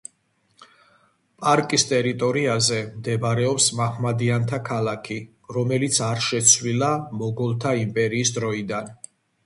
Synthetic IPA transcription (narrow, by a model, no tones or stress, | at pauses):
pʼaɾkʼist̪ʼɛɾit̪ʼɔɾiazɛmd̪ɛbaɾɛɔpsmaχmad̪iant̪ʰakʰalˠakʰi | ɾɔmɛlit̪sʰaɾʃɛt̪sʰvwlilamɔɡɔlˠt̪ʰaimpʼɛɾiːsd̪ɾɔid̪an